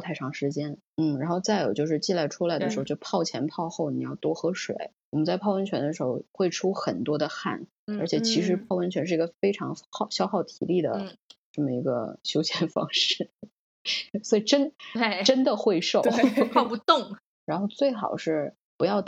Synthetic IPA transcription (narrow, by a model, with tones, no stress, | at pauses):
t̪ʰa˥˧ɪʈ͡ʂʰɑ˧˥ŋʂɻ̩˧˥t͡ɕjɛ˥n | n̩˥˩ɻa˧˥nxo˥˧t͡sa˥˩ɪjo˨˩ʊt͡ɕjo˥˧ʊʂɻ̩˥˧t͡ɕi˥˧la˥˩ɪʈ͡ʂʰu˥la˧˥d̪ə˧ʂɻ̩˧˥˧ʊt͡ɕo˥˩ʊpʰɑ˥˩ʊt͡ɕʰjɛ̰˧˥npʰɑ˥˧ʊxo˥˩ʊni˨˩jɑ˥˩ʊt̪wɔ˥xɤ˧˥ʂwḛ˨˩˦ɪwɔ˨˩mə˦nt͡sa˥˩ɪpʰɑ˥˧ʊwə˧˥nt͡ɕʰɥɛ˧˥nd̪ə˧ʂ̬ɻ̩˧˥xo˥˧ʊxwe˥˩ɪʈ͡ʂʰu˥xə˨˩nt̪wɔ˥d̪ə˧xa̰˥˩n | ə˞˧˥t͡ɕʰjɛ˨˩t͡ɕʰi˧˥ʂɻ̩˧˥pʰɑ˥˩ʊwə˧˥nt͡ɕʰɥɛ˧˥nʂɻ̩˥˩i˧˥ɡə˧fe˥ɪʈ͡ʂʰɑ˧˥ŋxɑ˥˩ʊɕjɑ˥ʊxɑ˥˩ʊt̪ʰḭ˧˥li˥˩d̪ə̰˩ʈ͡ʂə˥˩mə˩i˧˥ɡə̰˧ɕjo˥ʊɕjɛ˥˩nfɑ̰˥ŋʂɻ̩˥˩ | swɔ˧˥i˨˩ʈ͡ʂə˥n˧ʈ͡ʂə˥nd̪ə˨xwe˥˧ɪʂo˥˩ʊʊpʰpu˧˥t̪ʊ˥˩ŋ | ɻa˧˥nxo˥˧ʊt͡swe˥˩ɪxɑ̰˨˩ʊʂɻ̩˥˩ | pu˧˥jɑ˥˩ʊ